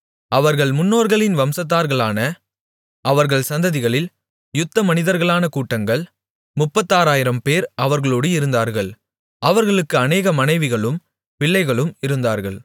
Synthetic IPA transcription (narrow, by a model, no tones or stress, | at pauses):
ɐʋɐɾɣɐɭmʊnːoːɾɣɐɭɪnʋɐmsɐt̪̬ːaːɾɣɐɭaːnɐ | ʔɐʋɐɾɣɐɭsɐnd̪ɐðɪɣɐɭɪl | jʊt̪ːɐmɐnɪðɐɾɣɐɭaːnɐkuːʈːɐŋɡɐɭ | mʊpːɐt̪ːaːɾaːjɪɾɐmpeːɾɐʋɐɾɣɐɭoːɽɯɪɾɯnd̪aːɾɣɐɭ | ʔɐʋɐɾɣɐɭɯkːɯɐneːɣɐmɐnɐɪʋɪɣɐɭɯm | pɪɭːɐɪɣɐɭɯmɪɾɯnd̪aːɾɣɐɭ